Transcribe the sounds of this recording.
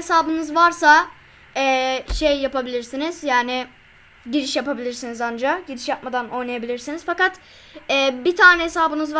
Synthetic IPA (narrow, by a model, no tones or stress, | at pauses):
esaːbɯnɯzvaɾsa | ɛːʃejːapabilʲiɾsiniz̥jaːnɪ | ɟiɾiʃjapabilʲiɾsinizand͡ʒaɟiɾiʃjap̚mad̪ano̞jnˠajabilʲiɾsinizfakat̪ | ɛːbit̪ʰaːnɛɦesaːbɯnɯzv